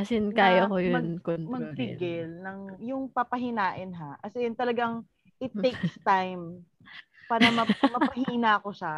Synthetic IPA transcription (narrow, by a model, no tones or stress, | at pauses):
ɐsɪnkaːjoɐkojʊmɐnkonmɐɡ̚t̪ɪɡɪlnɐŋjʊŋpapɐɦɪnaːʔɪnɦakɐsɛnt̪ɐlɐɡaŋ | ʔɪt̪ːejkst̪ajm | paːɾɐmɐmɐpɐhinakoʃa